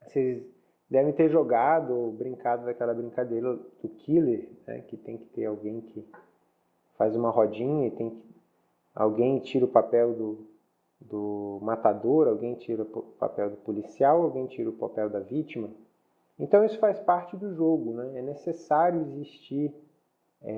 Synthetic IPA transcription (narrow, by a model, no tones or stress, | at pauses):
sez | d̪ɛvẽj̃t̪eɾʒoɡad̪ʊobɾĩŋkad̪ʊd̪akɛlɐbɾĩŋkad̪eɾɐd̪̥ʊkʰileɾnɛ̰kɪt̪ẽj̃kɪ̥t̪eɾawɡẽj̃kʰɪ | fazũmɐɦɔd͡ʒĩɲɐɪt̪ẽj̃kɪ̥ | a̰wɡẽj̃t͡ʃiɾɐʊpapɛwd̪ʊ | d̪ʊmat̪ad̪oɾawɡẽj̃t͡ʃiɾɐʊpa̰pɛwd̪ʊpolisiawawɡẽj̃t͡ʃiɾɐʊpapɛwd̪ɐvit͡ʃimɐ | ẽnt̪ɐ̃w̃isʊ̥fajspaɾt͡ʃɪd̪ʊʒoɡʊnɛɛnesesaɾjʊiziʃt͡ʃiɾ | ɛ